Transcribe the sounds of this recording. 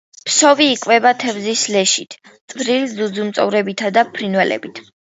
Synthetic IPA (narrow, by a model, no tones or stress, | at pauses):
pʰsɔviːkʼvɛbat̪ʰɛvzislɛʃit̪ʰʼvɾilizud̪zumt̪sʼɔvɾɛbit̪ʰad̪apʰɾinwɛlɛ̰bit̪ʰ